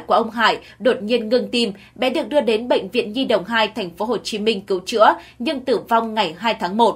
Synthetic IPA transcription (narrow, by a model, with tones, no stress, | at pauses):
jku˧˩əʔə˧wŋ͡mɦa̰ː˧˨j | ɗo˨˩t̚ɲi˧ənŋɨ˧ŋt̪i˧m | ɓɛ̰˧˥ɗɨ˨˩ək̚ɗɨ˧əɗe˨˦nɓə̰˧˨jŋ̟vḭ˧˨ənzi˧ɗə̰˧˨wŋ͡mɦaː˧jt̪ʰɛ˨˩jŋ̟fo˨˦ɦo˨˩t͡ɕi˨˦mï˧ŋ̟kɨ˨˦wt͡ɕɨ̰˧˥ə | ɲɨ˧ŋt̪ɨ˧˩va˧wŋ͡mŋa˨˩jɦaː˧jt̪ʰaː˨˦ŋmo˨˩t̚